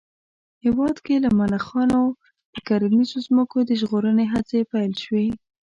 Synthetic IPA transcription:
hɪwɑd̪kelamalaxɑno̥ | əkaɾənizozməkod̪əʒɣoɾəneɦat͡sepajlʃwe

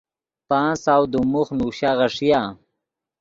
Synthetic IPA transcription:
paːnsawd̪umuxnuɕaʁaʂija

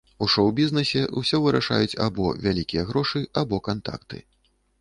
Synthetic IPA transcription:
uʂɔwbʲiznɛsʲɛʔṵsʲɔvɨɾaʂa̰jut͡sʲa̰bɔvʲalʲikʲijɐɣɾɔʂɨabɔkant̪a̰kt̪ɨ̰

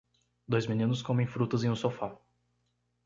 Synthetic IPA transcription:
d̪ojzmĩnĩnʊskõmẽj̃fɾut̪ɐzẽj̃ũsofa

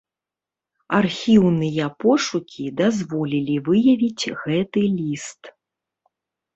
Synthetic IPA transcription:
arxʲiwnɨjɐpɔʂukʲid̪azvɔlʲilʲivɨjɐvʲit͡sʲɣɛt̪ɨlʲist̪

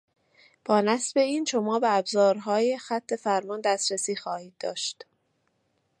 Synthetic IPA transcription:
b̥ɒːnæsbe̞iːnʃo̞mɒːbeæbzɒːɾɦɒːje̞xæt̪ʰːe̞fæɾmɒnd̪æst̪ɾesiːxɒːhiːd̪̚ːɒ̰ːʃt̪

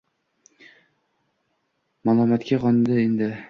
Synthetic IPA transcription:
malˠɒmat̪kʲaʁɒnd̪ɪend̪ɪ

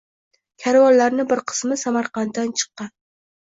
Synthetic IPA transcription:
kʲʰaɾwɒllaɾnɪbɪɾqʰɨ̥smɪsamaɾqɑnt̪ːant͡ʃʰɨ̥qːɑn

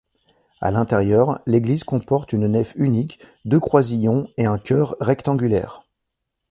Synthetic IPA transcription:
a̰lɛ̃t̪ɛʁjœʁleɡlizkɔ̃pɔʁt̪ynnɛfynik | d̪økχwazijɔ̃eɛ̃kʲœʁːɛkt̪ɑ̃ɡʲylɛ̰ːʁ

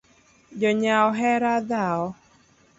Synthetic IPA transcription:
d͡ʒɔɲaɔɦɛɾad̪aɔ

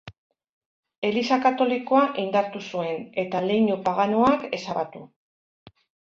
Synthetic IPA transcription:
e̞lisakat̪o̞liko̞aʔind̪aɾt̪usue̞ne̞t̪ale̞jɲupaɣanuake̞saβat̪u

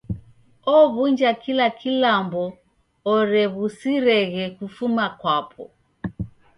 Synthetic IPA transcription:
ɔβund͡ʒakilakʰilambɔ | ɔɾɛβusiɾɛɣɛkufumakwapʰɔ̰

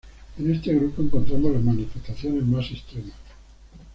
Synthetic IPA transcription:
ene̞st̪e̞ɣ̞ɾupoeŋkont̪ɾamolazmanifest̪aθjone̞zmasest̪ɾemas

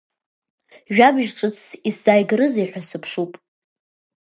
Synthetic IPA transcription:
ʒᶣabʒʈ͡ʂʼɨt͡sʰisz̥ajɡrɨzejħᶣʷasɨpʰʂupʼ

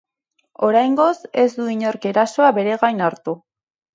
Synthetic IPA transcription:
o̞ɾajŋɡo̞se̞zd̪uiɲo̞ɾke̞ɾaso̞aβe̞ɾe̞ɣajnaɾt̪u

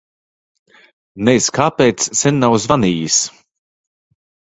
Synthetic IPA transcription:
nɛjskaːpɛjt̪ssɛnːawzvaniːjis

